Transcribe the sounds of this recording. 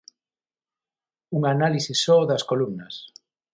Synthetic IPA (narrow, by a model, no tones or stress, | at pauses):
uŋanalisisːɔðɐskolumnɐs